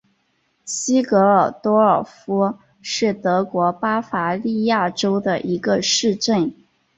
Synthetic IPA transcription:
ɕi˥kɤ˧˥ə˞˨˩t̪wɔ˥ə˞˨˩fu˥ | ʂɻ̩˥˩t̪ɤ˧˥kwɔ˧˥pa˥fa˧˥li˥˧ja˥˩ʈ͡ʂo˥ʊd̪ə˨ʔi˧˥ɡə˧ʂɻ̩˥˧ʈ͡ʂə˥˩n

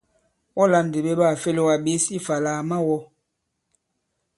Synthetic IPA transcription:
wɔ˦la˨˦n̩˨de˨be˦ɓa˦˨fe˦lo˦˨wa˨ɓe˨˦si˦fa˨laː˨ma˦wɔ˦

